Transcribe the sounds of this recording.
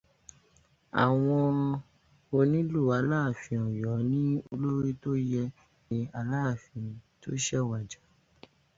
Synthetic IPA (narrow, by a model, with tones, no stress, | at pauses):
a̰˨w̃ɔ̃˧ | o˧nĩ˦lu˦˨a˧laː˦˨fĩ˧ɔ̃˨jɔ˨˦nĩ˦o˧lo˦ɾi˦to˦jɛ˧ | nĩ˨˧a˧laː˦˨fĩ˨˧˨to̰˦ʃɛ˦wa˨d͡ʒa˨˦